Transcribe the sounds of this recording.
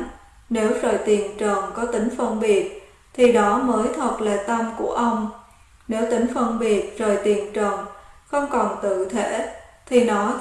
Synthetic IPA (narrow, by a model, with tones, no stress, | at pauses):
ne˨˦wzoː˨˩jt̪i˨˩ənt͡ɕə˨˩nkɔ˨˦t̪ï˨˦ŋ̟fə˧nɓi˨˩ət̚ | t̪ʰi˨˩ɗɔ˨˦məː˨˦jt̪ʰwə˨˩t̚laː˨˩t̪ə˧mku˧˩əʔə˧wŋ͡m | ne˨˦wt̪ï˨˦ŋ̟fə˧nɓi˨˩ət̚zo˨˩jt̪i˨˩ənt͡ɕə˨˩ŋ͡mxə˧wŋ͡mkɔ˨˩nt̪ɨ̰˧˨t̪ʰe˧˩t̪ʰi˨˩nɔ˨˦